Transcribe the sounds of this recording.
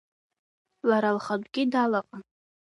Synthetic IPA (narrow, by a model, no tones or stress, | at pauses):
laɾalχadʷʼɡʲɪdalaqʼa